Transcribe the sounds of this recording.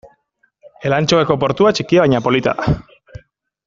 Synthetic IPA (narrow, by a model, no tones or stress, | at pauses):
e̞lant͡ʃoeko̞po̞ɾt̪uat͡ʃikiaβajɲapo̞lit̪a̰ða